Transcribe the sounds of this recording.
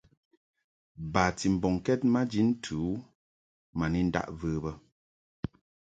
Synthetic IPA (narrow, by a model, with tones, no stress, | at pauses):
ba˨ti˨m̩˨bɔ˨ŋkɛ˦t̚ma˦d͡ʒi˦n̩˦tʰu˨˦ | ma˨ni˦n̩˦da̰˦ʔvəː˦bə˦